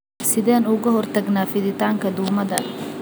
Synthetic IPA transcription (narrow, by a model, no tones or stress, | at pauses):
sɪðɛːnuːɣɐɦɔrt̪ʰɐɡnaːfɪðɪt̪ʰaːŋkʰɐd̪ʊːmɐðɐ